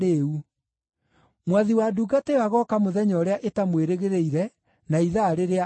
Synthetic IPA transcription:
eu | mwaðiwaduɡatewaɣɔkamoðɛɲɔɾeaʔetamweɾeɣeɾeiɾɛ | naiðaɾeɾea

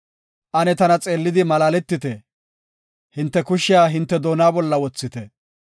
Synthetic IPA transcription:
ʔɐnɛt̪ɐnɐt͡sʼe̞ːlːɪd̪ɪmɐlaːlɛt̪ːɪt̪ɛ | hɪnt̪ːɛkʊʃːɪjaːɦɪnt̪ːɛd̪o̞ːnaːbɔlːɐwɔt͡sːɪt̪ɛ

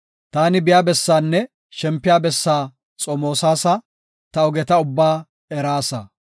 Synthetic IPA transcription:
t̪aːnɪbɪjaːbɛsːaːnːɛ | ʃɛmpːɪjaːbɛsːaː | t͡sʼɔmo̞ːsaːsɐ | t̪ɐɔɡɛt̪ɐʊbːaː | ɛɾaːsɐ̰

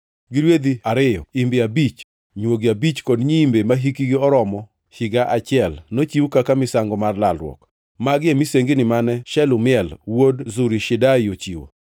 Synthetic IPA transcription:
ɡɪɾwed̪iaɾɪjɔ̰imbɪabit͡ʃ | ɲwoɡiabit͡ʃkɔdɲiːmbemaɦikiɡɪɔɾɔmɔ | ʃɪɡaʔat͡ʃɪɛlnot͡ʃiwkakamɪsaŋɡɔmarlalɾwɔ̰k | maɡɪemiseŋɡinɪmanɛʃɛlʊmɪɛlwodzuɾiʃɪdajot͡ʃiwo̰

